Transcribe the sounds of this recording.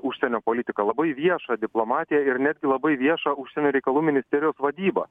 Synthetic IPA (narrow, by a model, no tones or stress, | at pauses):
ʊʃʲsʲɛnʲoːpoːlʲɪt̪ʲɪkɐlˠɐbɐɪʋʲiɛʃɑːd̪ʲɪplˠomɑːt̪ʲɪjɛɪɾnʲæd̪ʲɡʲɪlˠɐbɐɪʋʲiɛʃɑːʊʃʲsʲɛnʲuːɾʲɛɪkɐlˠuːmʲɪnʲɪsʲt̪ʲɛɾʲɪjoːsʋɐd̪ʲiːbɐ̰